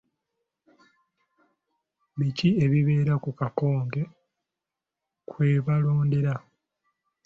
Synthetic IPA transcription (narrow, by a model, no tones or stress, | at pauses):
βicie̞βiβe̞ːɾakukako̞ːŋɡe̞ | kwe̞ːβalo̞ːnde̞ɾa